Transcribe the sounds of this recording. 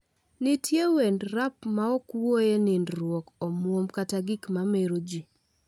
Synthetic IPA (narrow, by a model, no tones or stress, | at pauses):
nitʰjewendɾapmaɔkwojenɪndɾwokomwomkataɡɪkmameɾod͡ʒi